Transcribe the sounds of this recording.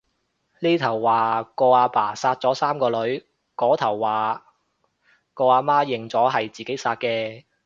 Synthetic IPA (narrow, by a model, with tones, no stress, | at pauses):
liː˥t̪ʰɐ˨˩wːaː˨kɔː˧aː˧paː˨˩saː˧t̚t͡sɔː˨˥saː˥mkɔː˧lɵ˨˥ɥ | kɔː˨˥t̪ʰɐ˨˩wːaː˨ | kɔː˧aː˧maː˥jɪ˨˩ŋt͡sɔː˨˥ɦɐ˨jt͡siː˨˩ke˨˥jsaː˧t̚kɛː˧